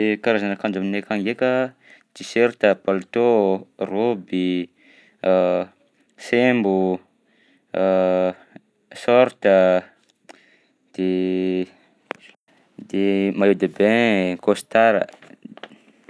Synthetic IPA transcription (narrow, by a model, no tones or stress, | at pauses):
ekaɾazanakand͡ʒaminekaŋɡekə | d̪̥iseɾt̪əpalut̪orobi | sembu | sɔɾt̪ə | d̪̥e | d̪emajud̪abẽkost̪aɾə̰